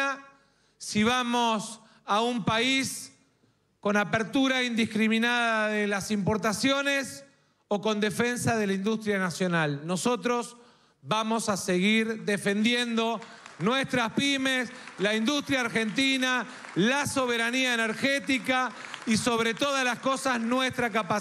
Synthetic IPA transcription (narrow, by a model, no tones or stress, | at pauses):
a | siβamos | aumpais | ko̞napeɾt̪uɾaind̪ihkɾiminaðaðelasimpo̞ɾt̪asjo̞nes | oko̞nd̪e̞fe̞nsaðe̞laind̪ust̪ɾjanasjo̞nalno̞so̞t̪ɾo̞s | βamo̞saseɣiɾd̪efe̞nd̪jend̪o̞ | nwest̪ɾaspimeslaind̪ust̪ɾjaːɾxent̪ina | laso̞β̞eɾaniaeneɾxet̪ika | iso̞βɾe̞t̪oðalasko̞saznwest̪ɾakapa